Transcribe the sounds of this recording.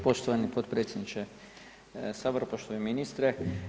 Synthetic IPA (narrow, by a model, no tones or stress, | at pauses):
po̞ʃt̪oʋanipot̪pɾet̪sjed̪nit͡ʃe | saʋɾpoʃt̪oʋeminist̪ɾe